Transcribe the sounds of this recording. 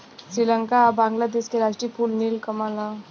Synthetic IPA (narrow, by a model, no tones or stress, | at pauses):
sɾiləŋkabãŋɡlad̪eɕkeɾasʈɾiːpuːlniːlkəmala